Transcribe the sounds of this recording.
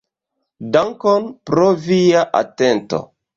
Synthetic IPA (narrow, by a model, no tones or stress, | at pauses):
daŋkonpɾoviaʔa̰te̞nto̰